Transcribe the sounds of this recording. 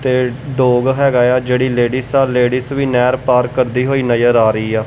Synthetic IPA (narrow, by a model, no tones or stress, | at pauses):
t̪eːɖoːɡɦɛːɡaːjaːd͡ʒeːɽiːleːɽisaːleːɽisʋiːnɛːɾpaːɾkəɾd̪iːɦoːiːnəjəɾaːɾəiːaː